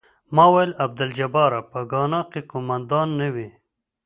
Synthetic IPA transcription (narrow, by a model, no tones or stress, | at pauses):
mɑːwajlab̚d̪ɪld͡ʒabɑːɾapəɡɑnɑqekomand̪ɑnːawi